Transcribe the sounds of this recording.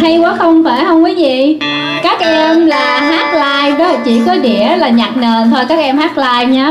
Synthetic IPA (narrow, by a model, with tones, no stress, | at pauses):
ha˧jwaː˨˦xə˧wŋ͡mfaː˧˩jhə˧wŋ͡mki˨˦zi˨ | kaː˦˥k̚ʔɛ˧mlaː˨˩haː˦˥t̚laː˧jɗɔ˨˦t͡ɕḭ˧˩kɔ˨˦ɗḭ˧˩˨əlaː˨˩ɲa˨˩k̚nəː˨˩nt̪ʰo˧jkaː˦˥k̚ʔɛ˧mhaː˦˥k̚laː˧jɲaː˨˦